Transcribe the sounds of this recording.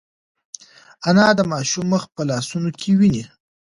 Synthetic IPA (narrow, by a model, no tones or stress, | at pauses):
anɑd̪əmɑʃumːəxpəlɑsunokʰewini